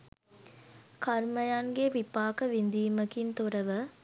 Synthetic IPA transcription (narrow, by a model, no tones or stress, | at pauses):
kʰarməjaŋɡeʋipaːkəʋind̪iːməkint̪oɾəʋə